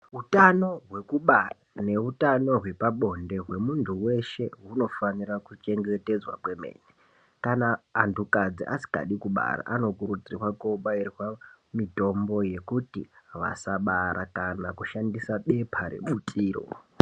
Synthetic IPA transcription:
ɦutano̞ɦwe̞kuɓarane̞utano̞ɦwe̞paɓo̞nde̞ɦwe̞muntʰuwe̞ʃe̞ɦuno̞fanirakut͡ʃe̞ŋɡe̞te̞d͡zwa̰kwe̞me̞̰ːne | kanaːntʰukad͡ziʔa̰si̥ka̰ɗikuɓa̰ɾa̰ʔano̞kuɾud͡zirwakoɓairiwamito̞mbo̞je̞kutiʋa̰saɓaɾʔakanakuʃandisaɓe̞pʰaɾḛɓutʰʼiːro̰

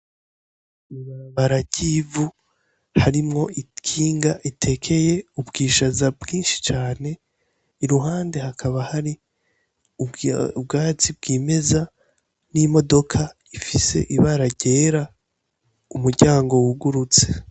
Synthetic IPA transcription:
iβaɾaβaɾaɟivu | haɾimŋo̞ʔikʰiːŋɡaʔitʰe̞kʰe̞je̞ubɡiːʃazabɡiːnʃi̥t͡ʃaːne̞ | iɾuɦaːnde̞hakʰaβahaɾi | uub̚ɡaːt͡sib̚ɡiːme̞za | nimo̞do̞kʰa | ifise̞̰ʔiβaɾaɟeːɾa | umuɾɟaːŋɡo̞wuɡuɾut͡se̥

